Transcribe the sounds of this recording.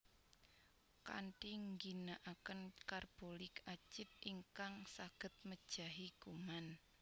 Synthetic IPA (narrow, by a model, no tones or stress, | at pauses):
ka̰ɳʈiŋɡinaʔakənkarb̥olɪkat͡ʃɪt̪̚iŋkaŋsaɡ̥ə̤t̪̚məd̥ʒ̥a̤ɦiɡ̥uman